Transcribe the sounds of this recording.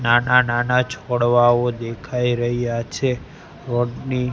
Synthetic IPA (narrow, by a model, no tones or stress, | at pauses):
nanananat͡ʃʰoɽʋaod̪ekʰaiɾəɦijat͡ʃʰe | ɾoɖni